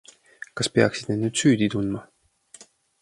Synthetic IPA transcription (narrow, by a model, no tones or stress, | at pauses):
kɑspe̞ɑksid̥̪ned̪nyːd̪syːd̪it̪und̪mɑ